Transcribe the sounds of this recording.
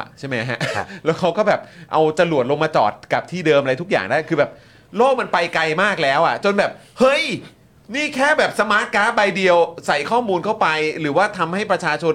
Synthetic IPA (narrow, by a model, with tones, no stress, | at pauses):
t͡ɕʰa˥˩ma˦˥jɦa˦˥ʔlɛː˦˥wkʰa˦˥wkɔː˥˩bɛː˨˩p̚ʔa˧wt͡ɕa˧lu˨˩ət̪̚lo˧ŋmaː˧t͡ɕɔ̰ː˨˩t̪̚ka˨˩p̚t̪ʰiː˥˩dɤː˧mʔa˧ɾa˧jt̪ʰu˦˥k̚ja̰ː˨˩ŋdaː˥˩jkʰɯː˧bɛː˨˩p̚ | loː˥˩k̚ma˧npa˧jkla˧jmaː˥˩k̚lɛː˦˥wʔa̰˨˩t͡ɕo˧nbɛː˨˩p̚ | hɤ˦˥˩j | niː˥˩kʰɛː˥˩bɛː˨˩p̚sa˧maː˦˥t̪̚kaː˦˥ba˧jdi˧əwsa˨˩jkʰɔː˥˩muː˧nkʰa˥˩wpa˧jɾɯː˩˦waː˥˩t̪ʰa˧mha˥˩jpɾa˧t͡ɕʰaː˧t͡ɕʰo˧n